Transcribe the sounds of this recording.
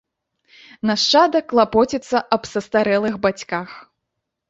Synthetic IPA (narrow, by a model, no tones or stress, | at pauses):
nɐʂt͡ʂad̪ɐklˠapɔt͡sʲɛt̪sːɐʔɐbsɐst̪aɾɛlˠɨxbat͡sʲkax